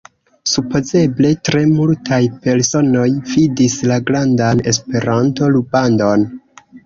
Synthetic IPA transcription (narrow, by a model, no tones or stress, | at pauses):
supo̞ze̞ble̞tɾe̞multʰajpe̞ɾso̞no̞jvidislaɡɾandane̞spe̞ɾanto̞lubando̞n